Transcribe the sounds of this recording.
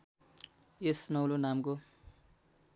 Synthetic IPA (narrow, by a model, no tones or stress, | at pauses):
esnʌwlonamko